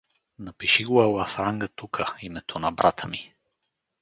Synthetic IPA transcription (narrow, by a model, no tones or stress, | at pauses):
nɐpiʃiɡoɛlˠɐfɾaŋɡət̪ukʰəimɛt̪ʰonɐbɾʔat̪ʰəmi